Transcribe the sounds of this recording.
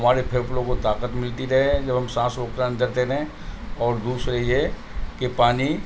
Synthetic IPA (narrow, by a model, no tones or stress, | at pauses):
ɦɐmaːɾepʰeːɾplõkot̪aːqət̪mɪlt̪iɾɐɦeɦɛ̃d͡ʒɐbʱɐmsãːsɾoːkɾãːnd̪ɐɾt̪eɾɐɦɛ̃ | ɔːɾd̪uːsɾeie | kepaːni